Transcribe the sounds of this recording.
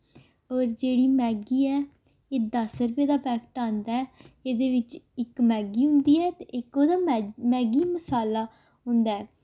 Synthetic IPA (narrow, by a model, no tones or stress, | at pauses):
ɔːɾd͡ʒeːɽiːmɛːɡiːɛː | eːd̪əsəɾpeːd̪aːpɛːkʈaːnd̪aɛːeːd̪eːʋɪt͡ʃɪkmɛːɡiːɦʊ̃nd̪iːɛːt̪eɪkoːd̪aːmɛːɡiːməsaːlaː | ɦʊ̃nd̪aɛː